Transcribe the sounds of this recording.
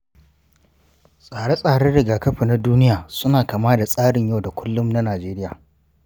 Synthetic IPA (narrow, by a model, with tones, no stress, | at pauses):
sʼaː˨ɽe˦sʼaː˨ɽe˦ɽɪ˨ɡaː˨kɐ˦ɸi˨na˦duː˦nɪ˦jaː˨sʊ˦naː˨kaː˨maː˦da˨sʼaː˦ɽɪ˨ɲja˦wda˨kʷʊ˦lːʊ˦mna˦naː˨d͡ʒeː˦ɾɪ˦ja̰ː˨